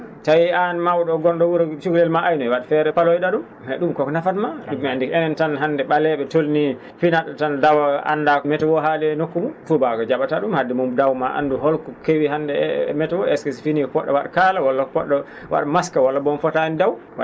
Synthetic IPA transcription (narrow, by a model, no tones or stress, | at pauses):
tajianmawɗɔɡɔnɗɔwuɾt͡ʃuɡlɛlmaʔajnɔjwaɗafɛɾɛpalojɗaɗum | hɛɗumkɔkɔnafatmaɗumːiandikɛnɛntanɦandɛɓalɛɓɛtolni | finaɗatandawaa̰nːdamɛtɛwɔɦalɛnokːumunfubakɔd͡ʒaɓataɗumhadːimumdawmaʔa̰nduɦɔlkɔkewiɦandɛ̰mɛtɛwɔɛskesfinikɔkɔɗːɔ̰waɗkalawalːakɔkɔɗːɔ | wa̰ɗamaskawalːabɔnfɔtandawwa